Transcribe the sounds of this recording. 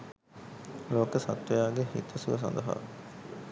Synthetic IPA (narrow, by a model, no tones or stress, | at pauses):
loːkəsɐt̪ʋɐjaːɡehḭt̪ʰəsuʋəs̬ɐ̰nd̪ɐɦa̰